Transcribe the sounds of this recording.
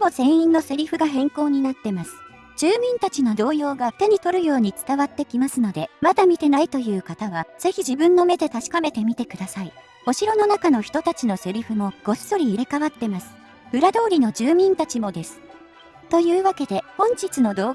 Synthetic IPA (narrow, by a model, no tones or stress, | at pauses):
mozẽ̞ɰ̃ĩnːo̞se̞ɾʲiɸɯ̟ɡaɦẽ̞ŋko̞ːɲ̟inat̪ːe̞masɨ̥ | d͡ʑɨːmʲĩnt̪at͡ɕino̞d̪o̞ːjo̞ːɡat̪e̞ɲ̟it̪o̞ɾɯ̟jo̞ːɲ̟it͡sɨ̥t̪aβat̪ːe̞kʲimasɨno̞d̪e̞mad̪amʲit̪e̞nait̪o̞jɯ̟ːkat̪aβ̞az̥e̞çiʑibɯ̟̃nːo̞me̞d̪e̞t̪aɕi̥kame̞t̪e̞mʲit̪e̞kɯ̟d̪asai | o̞ɕiɾo̞no̞nakano̞çi̥t̪ot̪at͡ɕino̞se̞ɾʲiɸɯ̟mo̞ɡ̥o̞si̥so̞ɾʲiːɾe̞kaβat̪ːe̞masɨ̥ | ɯ̟ɾad̪o̞ːɾʲino̞d͡ʑɨːmʲĩnt̪at͡ɕimo̞d̪e̞sɨ̥ | t̪o̞jɯ̟ːβake̞d̪e̞hõ̞ɲ̟t͡ɕit͡sɨno̞d̪o̞ː